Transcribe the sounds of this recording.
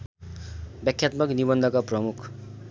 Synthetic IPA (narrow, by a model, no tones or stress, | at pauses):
bjʌkʰjat̪mʌknibʌnd̪ʱʌkaprʌmukʰ